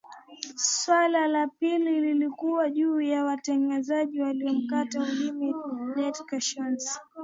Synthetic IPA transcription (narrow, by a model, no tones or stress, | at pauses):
swalalapilililikuwaʄuːjawatɛŋɡazaʄiwaliɔm̩kataulimiɗɛtkaʃɔns